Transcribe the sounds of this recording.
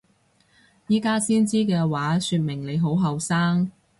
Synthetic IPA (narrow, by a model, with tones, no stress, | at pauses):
jiː˥kaː˥siː˥nt͡siː˥kɛː˧waː˨˥syː˧t̚mɪ˨˩ŋle˨˧jɦo˨˥wɦɐ˨wsaː˥ŋ